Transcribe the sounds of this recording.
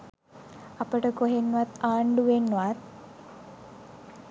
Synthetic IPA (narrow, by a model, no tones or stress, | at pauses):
apəʈəkoɦenːuʋat̪aːɳɖuʋenːuʋat̪̚